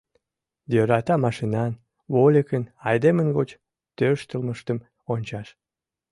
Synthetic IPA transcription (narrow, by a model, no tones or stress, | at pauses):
jøɾɑt̪ɑmɑʃinɑn | βolʲekənɑjd̪emənɡot͡ɕ | t̪øʃt̪əlməʃt̪əm | onʲt͡ɕɑʃ